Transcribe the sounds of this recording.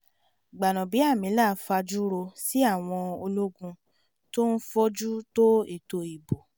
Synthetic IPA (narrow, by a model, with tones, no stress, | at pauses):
ɡ͡ba˨nɔ̃˨bi˨˦a˦˨mĩ˨˦la˦˨˦fa˧d͡ʒu˦ɾo˧si˦a˦˨w̃ɔ̃˧o˧lo˦ɡũ˧ | to˦n̩˦fɔ˦d͡ʒu˦to˦e˦˨to˧i˨bo˨